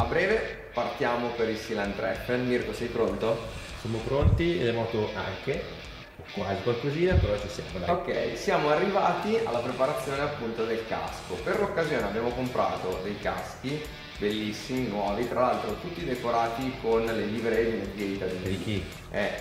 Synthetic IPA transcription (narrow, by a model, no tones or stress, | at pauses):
abɾɛːve | part̪jaːmopeɾilsilant̪ɾɛ̰fːenmirkosɛjpɾont̪o | sjamopɾont̪ied̪ɛmɔːt̪oʔa̰ŋke | kwaːzikwalkoziːnapeɾɔt͡ʃisja̰ːmod̪a̰okːɛ̰jsjaːmoarːivaːt̪ia̰lːapɾepaɾat̪sːjoːneapːunt̪od̪elka̰skoperlokːazjoːneabːjaːmokompɾa̰ːt̪od̪ejka̰sk̟i | belːisːiminwɔːvit̪ɾalalt̪ɾot̪ut̪ːid̪ekoɾaːt̪ikonleliːveɾed̪eleb̪ieit̪ad̪indiki | ɛ